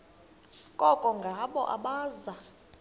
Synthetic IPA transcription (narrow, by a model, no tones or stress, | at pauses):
kʼɔkʼɔŋɡʱaɓɔ̰ʔa̰ɓaːza